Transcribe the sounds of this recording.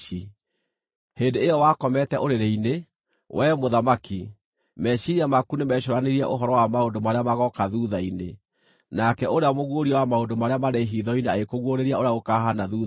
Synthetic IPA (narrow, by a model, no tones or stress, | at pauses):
i | hendeejɔwakɔmɛtɛʔoɾeɾeine | wʔɛmoðamaki | mɛɕiɾiamakunemɛɕoɾaneɾiɛ̰ʔoɦɔɾɔwamaondomaɾeamaɣɔkaðuðainḛ | nakɛʔoɾeamoɣwoɾiɔwamaondomaɾeamaɾeɦiðɔineaekoɣwoɾeɾiaoɾeaɣokaːɦanaðu